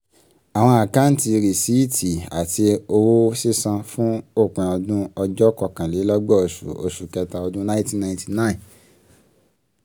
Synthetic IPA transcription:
a˨w̃ɔ̃˧a˨ka˨˦n̩˦ti˧ɾi˨si˦i˦tʰi˨a˨ti˧o˧wo˦si˦sã˧fũ˦o˦˨k͡pɛ̃˨ɔ˧dũ˦ɔ˧d͡ʒɔ˦kɔ˧˨kã˨le˨˦lɔ˦ɡ͡bɔ˦o˨sṵ˨o̰˨ʃu˨kɛ˧ta˧ɔ˧dũ˦nã˦ĩ˦tĩ˦nã˧˨ti˨nã˦ĩ˨

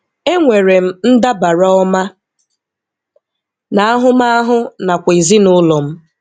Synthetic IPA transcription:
e˦ŋʷe˨ɾe˨m̩˦n̩˦da˦ba˨ɾa˦ɔ˦ma˦ | na˨a˦ɦʊ˦ma˦a˦ɦʊ˦na˨kʷi˨zi˦nʊ˦lɔ˨m̩˦

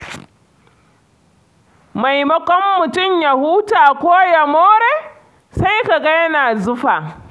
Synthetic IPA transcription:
ma˨jmɐ˦kʷɔ˦mːʊ˨tʊ˦˨mja˨hu˦taː˨kʷoː˦jɐ˨moː˦ɾeː˦ | sa˦jka˨ɡa˦jɐ˦naː˨zʊ˦ɸa˨

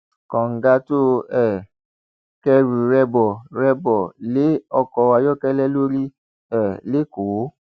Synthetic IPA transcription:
kɔ̃˨ŋ̩˨ɡa˦to˦ɛ˦˨ | kɛ˧ɾu˨ɾɛ˧bɔ˨ɾɛ˧bɔ˨le˨˦ɔ˧kɔ˧wa˧jɔ˦kɛ˦lɛ˦lo˦ɾi˦ | ɛ˦˨le˨˦ko˨˦

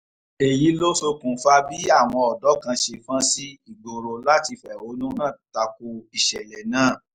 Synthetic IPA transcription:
e˨ji˨˦lo˦so˧kũ˨fa˧bi˦a˦˨w̃ɔ̃˧ɔ˨dɔ˨˦kã˧ʃe˧fã˦si˦i˦˨ɡ͡bo˨ɾo˧la˦ti˧fɛ˨o˨˦nũ˦nãː˦˨ta˧ko˧i˨ʃɛ˨lɛ˨nãː˨˦˨

